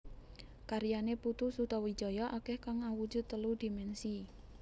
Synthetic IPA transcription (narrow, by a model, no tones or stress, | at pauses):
kaɾijaneput̪usut̪ɔwi̥d͡ʒ̥ɔ̤jɔʔakɛhkaŋawu̥d͡ʒṳd̪̚t̪əlud̪̥imɛnsi